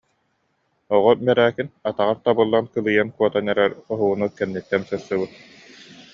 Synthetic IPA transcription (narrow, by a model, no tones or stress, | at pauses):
ɔʁɔmɛɾæːkinat̪aʁaɾt̪abɯlˠːankɯlˠɯjankuɔt̪anɛɾɛɾɔɦuunukɛnːit̪ːɛnsɯɾsɯbɯt̪̚